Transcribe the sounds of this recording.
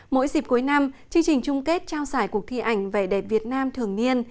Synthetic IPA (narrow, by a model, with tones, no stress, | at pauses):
mo̰˧˥jzi˨˩p̚ku˨˦əjna˧mt͡ɕɨ˧əŋt͡ɕï˨˩ŋ̟t͡ɕʊ˧ŋ͡mke˦˥t̚t͡ɕaː˧wsaː˧˩jku˨˩ək̚t̪ʰi˧ʔa˧˩jŋ̟ve˨˩ɗɛ˨˩p̚vi˨˩ət̚naː˧mt̪ʰɨ˨˩əŋɲi˧ən